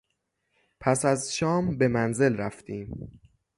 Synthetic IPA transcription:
pʰæsæzʃɒːmbe̞mænze̞lɾæft̪ʰiːm

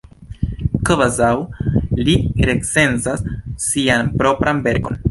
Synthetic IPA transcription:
kvazawliɾekse̞nzasːianpɾo̞pɾanbe̞ɾko̞̰n

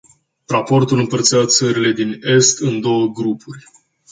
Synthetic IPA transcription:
rapo̞rt̪ulɨmpərt̪siat̪səɾile̞d̪ine̞st̪ɨnd̪o̞wəɡɾupurʲ

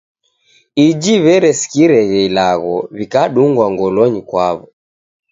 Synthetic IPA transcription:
id͡ʒiβɛɾɛsi̥kiɾɛɣɛilaɣɔβikaɗuŋɡwaŋɡɔlɔɲikwaβɔ

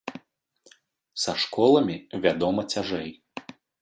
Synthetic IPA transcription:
sɐʂkɔlˠɐmʲivʲad̪ɔmɐt͡sʲaʐɛj

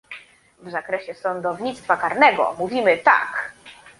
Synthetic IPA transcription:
vzakɾɛɕɛsɔnd̪ɔvɲit̪st̪fakaɾnɛɡɔ̰muvʲimɘt̪a̰k

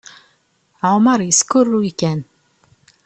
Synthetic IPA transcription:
ʕʊməɾjəskʊrːujkæn

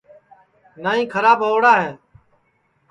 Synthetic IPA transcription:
naːĩːkʰəɾaːbəoːɽaːɦeː

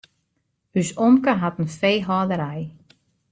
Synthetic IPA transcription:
hysɔmkaɦat̪nfejɦɔːðəɾaj

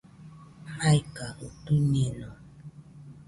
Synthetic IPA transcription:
majkautunenɔ

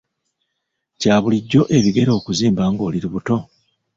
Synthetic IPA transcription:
caːβuliɟːo̞ʔe̞βiɡe̞ɾo̞ːkuziːmbaːŋɡo̞ːliɾiβuto̞

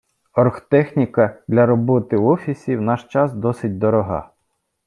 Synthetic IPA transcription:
ɔrxt̪ɛxnʲikɐd̪lʲɐɾɔbɔt̪ɪɔfʲisʲiwnɑʃt͡ʃɑsd̪ɔsɪt̚ʲd̪ɔɾɔɦɑ̰

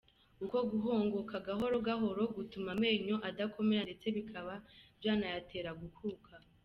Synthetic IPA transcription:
uko̞ɡuɦo̞ːŋɡo̞kaɡaɦo̞ɾo̞ɡaɦo̞ɾo̞ɡutumame̞ːɲo̞ʔadakʰo̞me̞ɾandet͡se̞βikʰaβabjaːnajatʰe̞ːɾaɡuhuːkʰa

